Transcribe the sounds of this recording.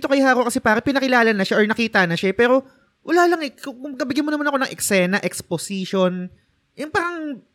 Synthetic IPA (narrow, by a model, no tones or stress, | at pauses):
t̪okɐjɦaːkoʔkɐsɛpaːɾɐŋpɪnɐkɪlaːlɐnɐʃaʔoɹnɐkiːt̪ɐnɐʃapɛːɾo̞ | wʔɐlaːlɐŋɛkʊkʊŋnɐbɪɡjɐnmonɐmɐnɐkonɐŋʔɛksɛːnɐʔɛksposiʃon | jʊŋpaːɾɐŋ